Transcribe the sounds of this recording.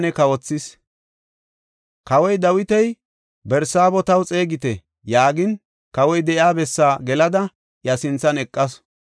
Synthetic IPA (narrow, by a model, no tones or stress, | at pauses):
nɛkɐwɔt͡sːɪs | kɐwɔjd̪ɐwɪt̪ɛj | bɛɾsaːbɔt̪ɐwt͡sʼeːɡɪt̪ɛ | jaːɡɪn | kɐwɔjd̪ɛʔjaːbɛsːaːɡɛlɐd̪ɐ | jɐsɪnt͡sːɐnɛkʼːɐs